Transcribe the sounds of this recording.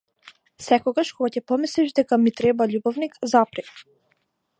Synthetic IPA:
sɛkɔɡaʃkɔɡacɛpɔmislɛʃd̪ɛkamit̪ɾɛbaʎubɔvnikzapɾi

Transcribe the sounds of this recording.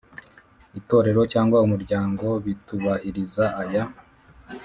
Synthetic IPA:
ito̞ːɾe̞ɾo̞caːŋɡwaumuɾɟaːŋɡo̞βituβahiɾizaːja

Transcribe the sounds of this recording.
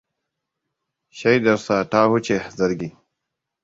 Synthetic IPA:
ɕɐjd̪ɐɾsaːʈaːhut͡ɕehzɐɾɡi

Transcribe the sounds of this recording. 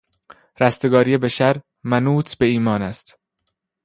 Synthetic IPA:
ɾæst̪e̞ɡɒːɾiːe̞beʃæɾ | mænuːt̪ʰb̥e̞iːmɒːnæst̪

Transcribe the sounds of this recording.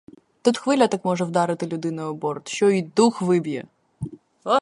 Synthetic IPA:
t̪ut̪xʋɪlʲɐt̪ɑkmɔʒɛwd̪ɑɾɪt̪ɪlʲʊd̪ɪnɐjɔbɔrt̪ʃt͡ʃɔid̪uxʋɪbʲjɛ̰

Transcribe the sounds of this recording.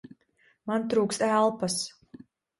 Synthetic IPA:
mant̪ɾuːkst̪ælˠpas

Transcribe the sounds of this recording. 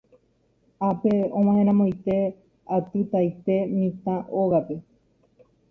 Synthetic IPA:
apeõm̃ãhẽɾ̃ãmõj̃t̪e̞ | at̪ɨt̪ajt̪e̞mĩt̪ãʔoɣape̞

